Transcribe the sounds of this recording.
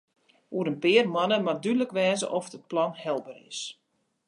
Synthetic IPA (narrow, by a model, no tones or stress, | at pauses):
uəɾənpɪərmɔnəmadydələkʋɛːzə̰ʔɔfdət̚plɔnhɛlˠbərɪ̰s